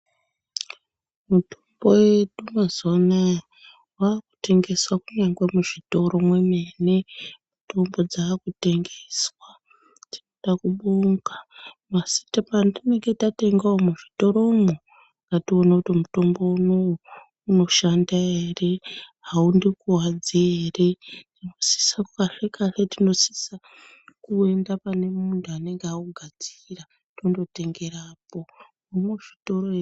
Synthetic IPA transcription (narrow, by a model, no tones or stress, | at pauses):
mutʰomboweɗumazana | waːku̥te̞ŋɡe̞swakuɲaŋɡwemuʐito̞ɾo̞mwemenemuto̞mbo̞d͡zaːkute̞ŋɡeswa | tinoɗakuɓuːŋɡamasi̥tapandine̞ŋɡe̞tate̞ŋɡaomuʐito̞ɾo̞mo | kɡatio̞nakutimuto̞mbo̞uno̞wu | uno̞ʃandaere̞ɦaundikuwad͡ziere̞dino̞si̥sakkaɬekaɬetino̞si̥sa | kue̞ndapane̞muntʰuane̞ŋɡeauɡʱad͡zira | tondo̞te̞ŋɡe̞ɾaːpo̞ | omwuʐ̥ito̞ɾoe